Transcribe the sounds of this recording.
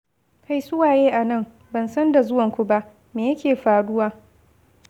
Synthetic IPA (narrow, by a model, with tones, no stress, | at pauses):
ka˦jsʊ˦waː˨jeː˦ʔa˨nɐ˦˨ŋ | bɐ˨nsɐ˦nda˨zʊ˦wɐ˨ŋkʷu˦ba˦ʔ | meː˨jɐ˦kʲeː˨ɸaː˨ɽʊ˦waː˦